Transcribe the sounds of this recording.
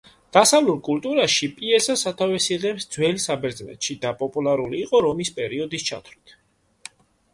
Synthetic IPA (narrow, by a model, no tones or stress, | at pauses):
d̪̥asavlulˠkʼult̪ʼuɾaʃipʼiɛsasat̪ʰavɛsiʁɛmsd̪z̥wɛlsabɛɾd̪znɛ̰t̪ʃid̪apʼɔpʼulˠaɾuliːqʼɔɾɔmispʼɛɾiɔd̪ist͡ʃʰa̰t̪ʰwɾit̪ʰ